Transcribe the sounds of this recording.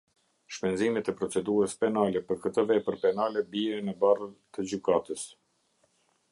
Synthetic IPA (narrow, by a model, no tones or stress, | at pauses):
ʃpɛnzimɛt̪ɛpɾɔt͡sɛd̪uɾəspɛnalɛpəɾkət̪əvɛpəɾpɛnalɛbiɛnəbarət̪əd͡ʑykat̪əs